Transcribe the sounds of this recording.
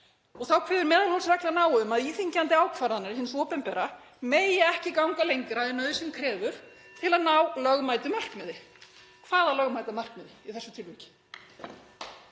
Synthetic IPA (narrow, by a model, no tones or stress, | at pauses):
ɔɣθawkʰvɛːðʏɾmɛːðalhɔlsvɛklanaːwʏmaðiːθiɲcant̪ɪaːwkʰvaːɾaðnːaɾɪsɪnsɔːpɛnpɛɾa | meːjɪɛhcɪkawŋkalejŋkɾaðɪnœðʏsɛmkʰɾɛːvʏɾ̥ | t̪ʰɪlaðnawlœɣmaːjt̪ʏmar̥kmɛðɪ | kʰvaːðalœɣmaːjt̪amar̥kmɪðɪiθɛsʏ̥t̪ʰɪlvʏcɪ̥